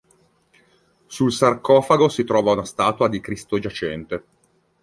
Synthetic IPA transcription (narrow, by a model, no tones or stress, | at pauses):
sulsarkɔːfaɡosit̪ɾɔːvaunast̪aːt̪uad̪ikɾist̪od͡ʒat͡ʃɛnt̪e